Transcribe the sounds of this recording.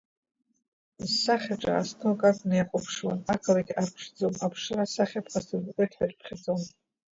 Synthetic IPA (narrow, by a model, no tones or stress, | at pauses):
zsaχʲaʈ͡ʂʼa̰ːstʰokʼakʼnejqʷʼʊpʰʂwanakʰalaɡʲarʈ͡ʂʰd͡zomapʰʂɨrasaχʲapʰqastʰɨɡʷkʼetʰħarʼpʰχʲad͡zʼom